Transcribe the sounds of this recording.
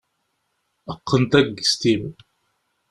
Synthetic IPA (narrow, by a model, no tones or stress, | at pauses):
əqːənt̪æɡst̪iv